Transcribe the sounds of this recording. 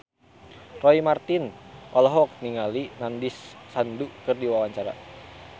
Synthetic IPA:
rɔimart̪inʔɔlɔɦɔk̪̚niŋalinandisːandukɨrdiwawaɲt͡ʃaɾa̰

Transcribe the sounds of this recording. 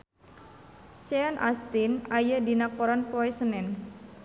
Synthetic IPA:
sɛɔnʔa̰st̪inajadinakoɾanpoɛsənɛn

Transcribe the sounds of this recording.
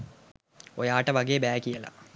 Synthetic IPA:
ojaːʈəʋaɡeːbæːkijəla̰

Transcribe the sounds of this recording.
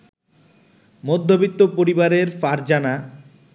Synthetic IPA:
mod̪ʱːobit̪ːopoɾibaɾeɾfaɾd͡ʑana

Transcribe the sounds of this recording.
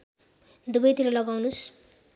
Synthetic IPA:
d̪ubʌjt̪iɾʌlʌɡawnus

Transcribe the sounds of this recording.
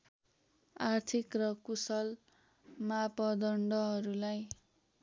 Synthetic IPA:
art̪ʰikrʌkusʌl | mapʌd̪ʌɳɖʌɦʌɾulaj

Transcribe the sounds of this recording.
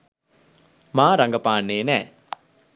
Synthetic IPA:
mãːɾɐŋɡɐpaːnːeːnɛː

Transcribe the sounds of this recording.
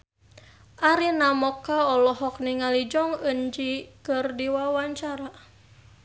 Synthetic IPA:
ʔaɾinamɔkːaɔlɔɦɔk̚niŋalid͡ʒɔŋənd͡ʒikɨrdiwawaɲt͡ʃaɾa

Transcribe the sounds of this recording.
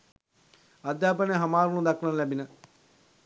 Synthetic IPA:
ɐd̪jaːpəneɦɐmaːɾunud̪aknanlæbinə

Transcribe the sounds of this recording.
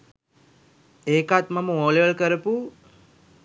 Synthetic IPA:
eːkat̪maməoːleʋəlkəɾəpu

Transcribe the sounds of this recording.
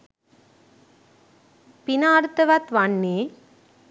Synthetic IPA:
pinaːɾt̪ɐʋɐt̪ʋɐnːeː

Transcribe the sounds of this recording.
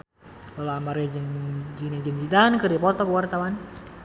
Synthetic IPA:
lolamaɾɛd͡ʒəŋd͡ʒinɛd͡ʒəŋd͡ʒidankəɾipɔt̪ɔkəwart̪awan

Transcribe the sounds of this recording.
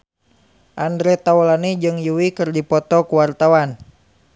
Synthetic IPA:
ʔandɾɛt̪aulanid͡ʒɨŋjuwikɨrdipɔt̪ɔkuwart̪awan

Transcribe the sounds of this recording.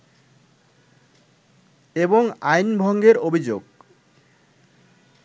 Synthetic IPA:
eboŋajnbʱɔŋɡeɾobʱid͡ʑoɡ

